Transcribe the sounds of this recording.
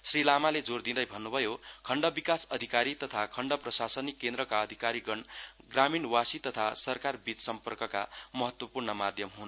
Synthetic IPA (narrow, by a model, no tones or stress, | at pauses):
srilamaled͡zord̪ind̪ʌjbʱʌnːubʱʌjokʰʌɳɖʌbikasʌd̪ʱikaɾit̪ʌt̪ʰakʰʌɳɖʌprʌsasʌnikːend̪ɾʌkaʌd̪ʱikaɾiɡʌn | ɡraminwasit̪ʌt̪ʰasʌrkarbit̪sʌmpʌrkʌkamʌɦʌt̪wʌpurɳʌmad̪ʱjʌmɦun